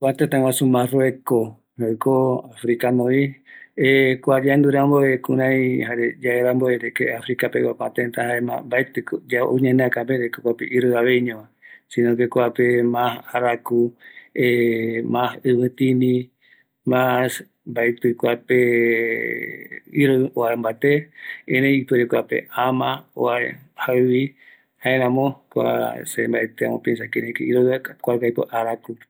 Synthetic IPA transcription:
kʷat̪ẽt̪ãw̃ãsumãrweko | hakoafɾikanõiekʷad͡ʒand̪uɾamboekũɾ̃ãj̃haɾed͡ʒaeɾamboeɾekḛafɾikapewakʷãt̪ẽnt̪ahaemã̰mbajt̪ɨkd͡ʒaʔõɲẽnẽãkãpeɾekokʷapḛʔiɾɨaβejɲõmã | sĩnõɡekoapemãsaɾakuemãhɨβɨ̃t̪ĩnĩ | mas | mbait̪ɨkʷape | iɾooaembat̪eẽɾẽjipɨɾekʷapḛamão̰aehaɨβi | haeɾãmõkʷa̰sembaet̪ea̰mõpensakeɾẽkeiɾoakʷakajpo̰ʔaɾaku

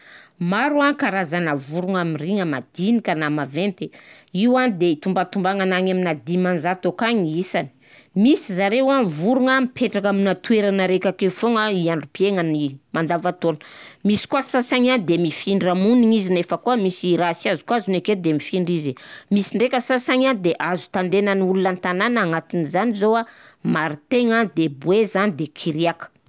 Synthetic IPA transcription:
maɾuaŋkaɾazanəvuɾuŋamiriŋəmad̪inikʲənamavent̪e | iwand̪eit̪umbat̪umbaŋanaɲaminad̪imanzat̪okaɲiisani̥ | misizaɾewanvuɾuŋamipʰeʈ͡ʂakaminat̪ueɾanəɾekakefoŋəiaɳɖ͡ʐupieŋanimand̪avat̪onmisi̥kuasasaɲand̪emifiɳɖ͡ʐamuniɲizinefəkuamisiɾasiazu̥kuazuneked̪emifiɳɖ͡ʐizimisiɳɖ͡ʐekʲəsasaɲand̪eʔazu̥t̪and̪enaniulunant̪ananaaŋat̪inizanizowamaɾit̪eŋad̪ebwezanid̪ekʰiɾiakə̥

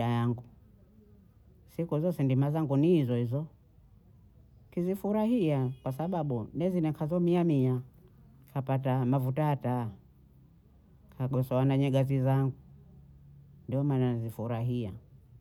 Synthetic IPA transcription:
ajaŋɡu | sikuzɔsɛndimazaŋɡunihizɔhizɔ | kizifuɾahiakwasaɓaɓunɛzinɛkʰazɔmiamia | kʰapatamavutata | kʰaɡɔsɔwanaɲɛɡazizaŋɡu | ndiɔmananzifuɾaɦia̰

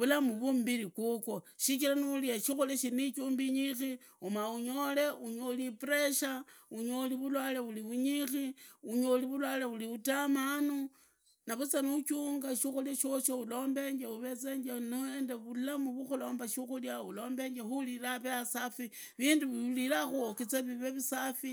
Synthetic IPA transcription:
βulamuβumbiɾikukoʃikilaniuliaʃixuleʃinit͡ʃuːmbiɲixi | umauɲole̞uɲolipɾeʃauɲoliβulwaleβuliβuɲixiuɲoliβulwaleβuliβutamanu | naβut͡sanut͡ʃuŋɡaʃixuleʃoʃoulo̞ːmbe̞ɲd͡ʒeuβe̞t͡se̞ɲd͡ʒeniendeβulamuβuxulo̞ːmbaʃuxuljaulo̞ːmbe̞ɲd͡ʒexulilaβeasafi | βiːnduβlilaxuokit͡saβiβeβisafi

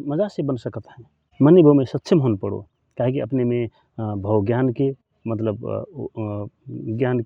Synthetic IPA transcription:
məd͡ʒasebənsəkət̪ɦən | mənːebʱəwmesət̪ːʃʰimɦonpəɽo̰ | kaɦekiʔə̰pneme | bʱəwɡjanke | mət̪ləb | ɡjank

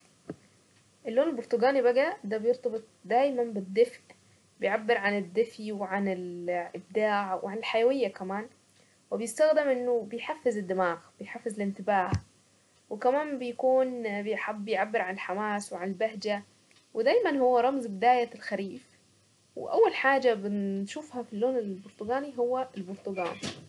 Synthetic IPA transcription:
ʔɪlːoːnɪlbʊɾˤt̪ʊɡaːnibaɡad̪aːbjʊɾt̪ˤɑbɨt̪̚ˤd̪aːjmambɪd̪ːɪfʔ | bɪjʕabːɪɾʕanɪd̪ːɪfiwɪʕanɪlʔɪb̚d̪aːʕwɪ̰ʕanɪlħajawɪjːakamaːn | wɪbjɪst̪aɣd̪ɪmʔɪnːʊbɪjħafːɪzɪd̪ːɪmaːɣbɪjħafːɪzlɪnt̪ɪbaːh | wɪkamaːnbɪjakuːnbɪħabːɪjʕabːɪɾʕanɪlħamaːswɪʕanɪlbaɦd͡ʒa | wɪd̪aːjmanhʊwːaɾˤɑmzbɪd̪aːjalxaɾiːf | wɪ̰ʔa̰wːalħaːd͡ʒabɪnʃuːfhafilːoːnɪbʊɾt̪ʊɡaːniɦʊwːalbʊɾˤt̪ʊɡa̰ːn

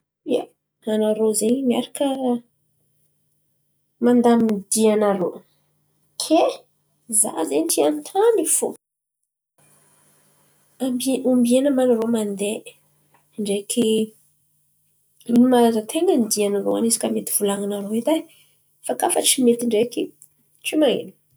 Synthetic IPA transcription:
ja | anaɾozeɲimiaɾakə | mand̪amid̪ianaɾo | kʰe | za̰zent̪iant̪ʰanifu | ambiambienəmanəɾomand̪e | ɳɖ͡ʐekʰi | inimaazət̪ʰeŋənid̪ianaɾoa̰nisi̥kʲamet̪iv̥ulaŋanaɾoed̪a | fakafəʈ͡ʂimet̪iɳɖ͡ʐeki | t͡ʃimaḛni̥

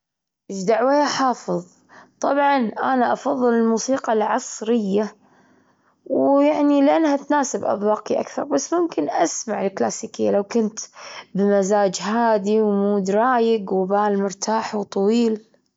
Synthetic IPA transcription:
ʔɪd͡ʒd̪aʕweːaħɑːfɨðˤ | t̪ˤɑbʕɑnʔanaʔɑfɑðˤːɨlɪlmuːsiːqɑlʕɑsˤɾɪjːa | wjaʕnilɪʔanːhat̪naːsɪbʔɑ̰b̪wɑːqiʔa̰kθɑ̰ɾˤbasːmʊmkɪnʔasmaʕɪlkla̰ːsiːkɪjːalawkʊnt̪bɪmazaːd͡ʒɦaːd̪iwmuːd̪ɾˤɑːjɪɡwbaːlmʊɾt̪ʰaːħwt̪ˤɑwiːl

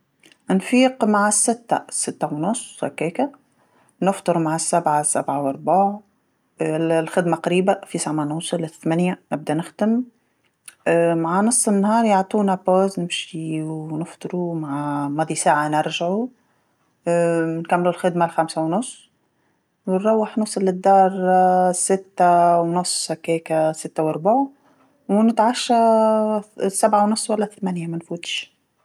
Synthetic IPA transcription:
nfiːqmaʕasːɪt̪ːa̰sːɪt̪ːawnʊsˤːha̰kːɛːka | nəft̪ˤɨɾmaʕasːabʕasːa̰bʕawʔɑɾˤbaːʕ | lxɪd̪maqɑɾiːbafisˤaʕmanusˤlɪt̪ːmænjanɪb̚d̪ænɪxd̪əm | maʕanɑsˤːənːhɑːɾˤjoʕt̪ˤuːnapoːznɪmʃiwnəft̪ˤɾumaʕamɑd̪ˤisaːʕanɪɾʒʕu | nkamːlulxɪd̪malxamsawnʊsˤː | wnɾˤɑwːəħnʊsˤɑlːɪd̪ːɑːɾˤsɪt̪ːawnʊsˤːhakɛːkasɪt̪ːawɑɾˤbaʕ | wnɪt̪ʕaʃːa | sabʕawnʊsˤːwalːaθmænjamanfuːt̪ʃ

